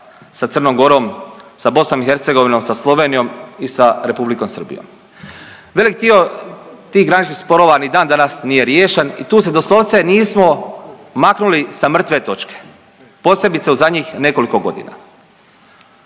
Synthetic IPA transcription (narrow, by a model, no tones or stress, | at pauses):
sat̪sər̩nomɡo̞ɾo̞msabo̞snomixe̞ɾt̪seɡo̞ʋino̞msaslˠo̞ʋe̞ːnijo̞misaɾe̞publiko̞msər̩bḭjo̰m | ʋe̞lik̚d̪io̞t̪iːɦɡɾanit͡ʃkixspo̞ɾo̞ʋanid̪aːnd̪anasnije̞ɾjeːʃenḭt̪uːs̬ed̪oslˠo̞ʋt̪se̞niːsmo̞maknulisamr̩t̪ʋe̞t̪o̞t͡ʃke̥ | po̞ːsje̞bit̪seuzad̪ɲixne̞ko̞liko̞ɡo̞̰d̪ḭna̰